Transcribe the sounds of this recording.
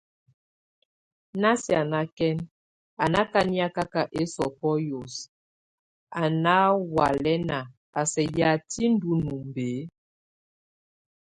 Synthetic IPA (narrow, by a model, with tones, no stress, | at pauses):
na˦si˦˨a˨na˦kɛ˦n | a˨na˦ka˦ni˦a˦ka˦ka˨ʔe˦sɔ˨pɔ˦jo˨s | a˨na˦wa˨lɛ˦na˨ | a˨sɛ˨ja˨ti˦n˦du˦nu˨m˨beː˨˦